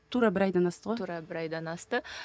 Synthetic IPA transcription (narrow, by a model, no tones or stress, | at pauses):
t̪ʰuɾɑbɪɾɑjd̪ɑnɑst̪əʁouɾɑbɪɾɑjd̪ɑnɑst̪ə